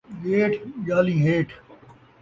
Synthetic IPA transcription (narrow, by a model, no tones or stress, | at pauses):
ɡeːʈʰd͡ʒaːlĩːɦeːʈʰ